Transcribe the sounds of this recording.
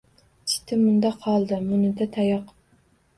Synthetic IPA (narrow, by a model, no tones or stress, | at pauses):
t͡ʃʰi̥t̪ʰɪmund̪ɑqʰːɑlˠd̪ɨmunɨd̪ɛt̪ʰɛjɑq